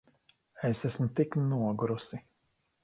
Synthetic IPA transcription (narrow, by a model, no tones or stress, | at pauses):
esæsmut̪iknuɔɡɾusi